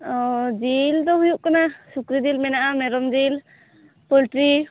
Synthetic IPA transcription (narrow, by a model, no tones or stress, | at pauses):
ɔd͡ʒild̪ɔhujuʔkanasukɾid͡ʒilmɛnaʔamɛɾɔmd͡ʒil | pɔlʈɾi